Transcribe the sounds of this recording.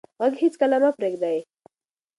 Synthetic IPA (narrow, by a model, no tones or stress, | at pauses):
ɦʌɡɦit͡skʌlamapreɡd̪aj